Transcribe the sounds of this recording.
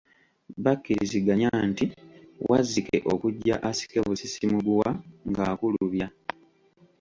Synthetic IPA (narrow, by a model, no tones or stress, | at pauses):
βakːiɾḭziɡaɲantiwʔazike̞̰ʔo̞̰kuɟːa̰ʔasi̥keβusisimuɡuwaŋɡaːkuluβja